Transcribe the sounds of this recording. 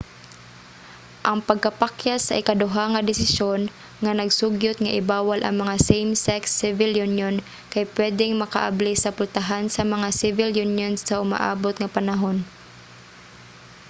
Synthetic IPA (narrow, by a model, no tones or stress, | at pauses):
ʔɐŋpɐɡ̚kɐpakjasɐʔɪkad̪ʊɦaŋɐd̪ɪsɪʃjon | ŋanɐɡsʊɡjʊt̪ŋaʔɪbaːwalʔɐ̰ŋmɐŋasejmsɛksːɪvɪljunjon | kajpwɛːd̪ɪŋmɐka̰ʔa̰blisɐpʊlt̪aɦansɐmɐŋasɪvɪljunjonsːaʔʊma̰ʔa̰ːbot̪ŋapanaɦon